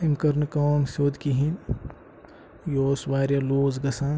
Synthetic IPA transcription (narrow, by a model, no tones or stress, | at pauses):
imkɐɾnkaːmsoːd̪kiɦin | joːsʋaːɾjɐloːzɡɐsãː